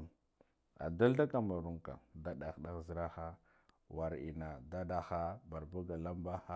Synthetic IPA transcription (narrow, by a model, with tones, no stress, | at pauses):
a̰˨da˦lda˦ka˨ma˨ɾu˦ŋka̰˨da˦ɗa˨xɗa˦zɾa˦xa˦ | wa˨ɾḭ˨na˨da˦da˦xa˦ba˨ɾbu˦ɡa˨la˦mba˦xa˦